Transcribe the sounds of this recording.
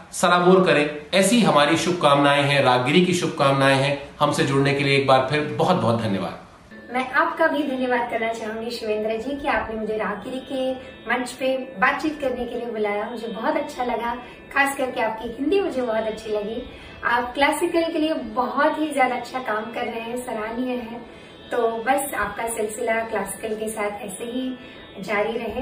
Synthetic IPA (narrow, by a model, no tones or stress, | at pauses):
sɐɾaːmoːɾkɐɾẽːɛːsiɦɐmaːɾiʃʊb̚ʱkaːmnaːeɦɛ̃ɾaːɡɪɾikiʃʊb̚kaːmnaːeɦɛ̃hɐmsed͡ʒʊɽnekelieːk̚baːɾpʰɪɾbɐɦɔt̪̚bɔɦɔt̪̚d̪ʱɐnjəʋa̰ːd̪ | mɛ̃ːʔaːpkabʱid̪ʱɐnjəʋaːd̪̚kɐɾnat͡ʃaːɦũŋɡiʃɪʋẽːnd̪ɾəd͡ʒiːkiaːpnemʊd͡ʒʱeɾaːɦɡiɾike | mɐ̃ɲt͡ʃpebaːt̪̚t͡ʃiːt̪kɐɾnekeliebʊlaːjamʊd͡ʒʱebɔɦɔt̪ɐtːʃʰalɐɡa | xaːskɐɾkeaːp̚kiɦɪ̃nd̪imʊd͡ʒʱebɔɦɔt̪ɐtːʃʰilɐɡi | aːpklaːsɪkəlĩkeliebɐɦɔt̪ɦizjaːd̪aɐtːʃʰakaːmkɐɾːɐɦeɦɛ̃sɐɾaːniəɦɛ̃ | t̪oːbɐsaːp̚kasɪlsɪlaklaːsɪ̥kəlkesaːt̪ʰɛːseɦi | d͡ʒaːɾiɾɐɦe